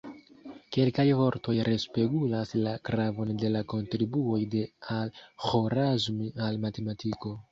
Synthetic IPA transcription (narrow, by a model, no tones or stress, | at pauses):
ke̞lkajvo̞ɾto̞jɾe̞spe̞ɡulaslakɾavo̞nde̞lako̞ntɾibuo̞jde̞alxoɾazmialmate̞matiko̞